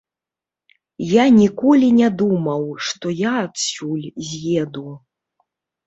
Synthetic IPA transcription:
janʲikɔlʲinʲɛd̪umɐwʂt̪ɔjaːt̪sʲulʲzʲjɛd̪u

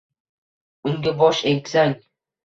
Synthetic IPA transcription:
ʊŋɡʲabɒʃeŋtʲsaŋ

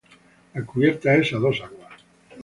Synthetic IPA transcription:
akuβjeɾt̪aesaðosaɣoa

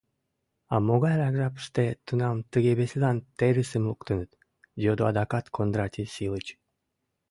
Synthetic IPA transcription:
ɑ̰moɣɑjɾɑɡʒɑpɨ̥ʃt̪et̪unɑmt̪ɨɣeβesʲelˠɑnt̪eɾɨsəmlˠukt̪ɨnɨt̪ | d̪ʲod̪oɑd̪ɑkɑt̪kʰond̪ɾat̪ʲʰisʲilˠɨt͡ɕ

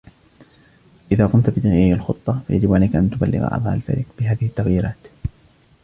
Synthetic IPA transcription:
ʔɪðaːqʊmt̪bɪd̪aɣijalxʊt̪ˤːɑfa̰ja̰d͡ʒɪbʔaniːkaʔant̪ʊba̰lːɪ̰ɣʔɑ̰d̪ˤɑ̰ʔa̰lfa̰ɾḭqb̥ɪɦaːðɪhɪt̪ːaɣjiːɾaːt̪

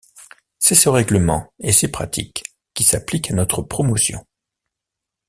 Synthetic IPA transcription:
sɛsəʁɛɡləmɑ̰̃esepχa̰t̪ʰḭkʲː | isaplikanɔt̪χəpχɔmɔsjɔ̰̃

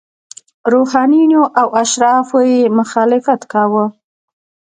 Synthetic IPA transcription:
ɾohɑninoʔawaʃɾɑfojemʊxɑlɪfat̪kɑwə

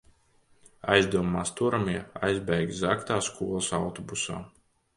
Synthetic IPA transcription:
a̰jzd̪uɔmaːst̪uɾamiɛajzbɛjɡzakt̪aːskuɔlˠsawt̪ɔbusa̰ː

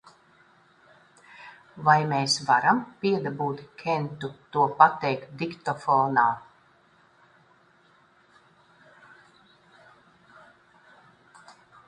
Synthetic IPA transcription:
vajmʲeːsvaɾampʲiɛd̪abuːt̪kʰʲɛnt̪ut̪uɔpat̪ɛjkt̪̚d̪ikt̪ɔfɔːnaː

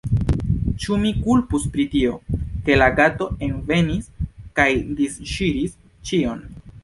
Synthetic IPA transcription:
t͡ʃumikulpuspɾitio̞ke̞laɡato̞e̞nve̞niskajdisʃiɾis | t͡ʃio̞n

